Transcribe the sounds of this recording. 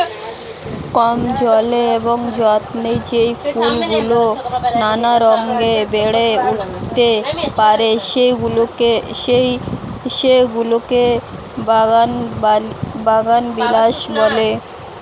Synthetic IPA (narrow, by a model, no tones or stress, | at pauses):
kɔmd͡ʑɔleeboŋd͡ʑɔt̪nejd͡ʑejpʰulɡulonanaɾɔŋɡebeɽeuʈt̪epaɾeʃeɡulokejʃeɡuloke | an | baɡanbilaʃbɔle